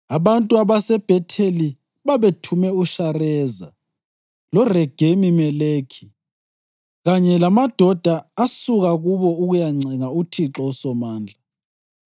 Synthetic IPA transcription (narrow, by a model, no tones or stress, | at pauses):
aβantʼuaβasɛb̥ʱɛtʰeli | βaβetʰumɛuʃarɛːza̰ | lɔrɛɡ̥ʱemimɛleːkʰi̥ | ɣaɲɛlamad̥ʱɔd̥ʱaːsuɣaɣuβɔuɣujaŋ͡ǀɛŋautʰiǁɔsɔmaːnd͡ɮʱa